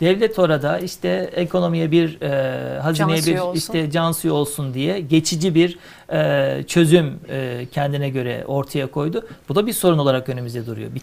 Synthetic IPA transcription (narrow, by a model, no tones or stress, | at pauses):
d̪̥ɛvlʲɛt̪ʰo̞ɾad̪aiʃt̪ʰɛekʰo̞no̞mijɛbiɾɛɦazinejɛbiɾiʃt̪ʰɛd͡ʒansɯjo̞lˠsund̪ijɛɟe̞t͡ʃʰid͡ʒibiɾ | ɛt͡ʃʰø̞zymːcʰɛnd̪inɛɟø̞ɾɛ̰o̞ɾt̪ʰajakʰo̞jd̪ʊb̥ud̪abiɾso̞ɾuno̞lˠaɾakø̞nemyzd̪ɛd̪uɾṵjo̰bi